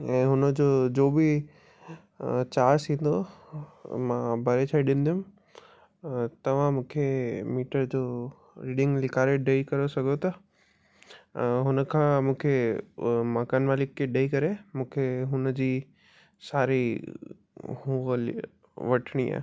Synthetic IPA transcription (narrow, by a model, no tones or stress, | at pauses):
ɛ̃ːɦʊnəd͡ʑoːd͡ʑoːbɪ | t͡ɕaːsʰĩːn̆d̪o | mãbʱɐɾet͡ɕʰaːiɗɪ̃nd̪ijʊ̃m | t̪ɐʋ̤ãmũːkʰemiːʈəɾd͡ʑoː | ɾiːɖɪ̃ŋɡlɪkʰaːɾeɖeikɐɾosɐɡʱot̪ɐ | ɦʊnəkʰãːmũːkʰe | maːkənmaːlɪkːeɖeːikɐɾemũːkʰeɦʊnəd͡ʑiː | saːɾi | ɦũːl | ʋɐʈʰɽ̃ia̰ːɦ